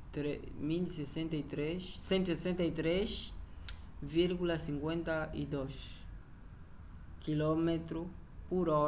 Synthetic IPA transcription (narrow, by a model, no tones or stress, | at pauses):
t̪ɾe | milisesẽnt̪ɐit̪ɾeʃsẽnt̪uisesẽnt̪ɐit̪ɾeʃ | viɾɣulɐsĩŋkwẽnt̪ɐḭd̪oʃ | kilɔmet̪ɾu | puɾɔ